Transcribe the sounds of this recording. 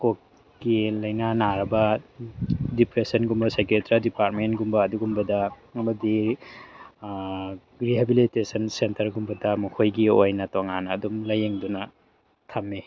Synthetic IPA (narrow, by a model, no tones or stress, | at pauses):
kok | kilɐjnanaɾɐbɐ | dipɾesɐnɡumbɐsajkɾetɾadipaɾt̚mentɡumbɐːduɡumbɐdɐ | ɐmɐdi | ɾiɦebilitesɐnsentɐɾɡumbɐdɐmukʰojɡiojnɐtoŋanːdumlɐjeŋdunɐ | tʰɐmːe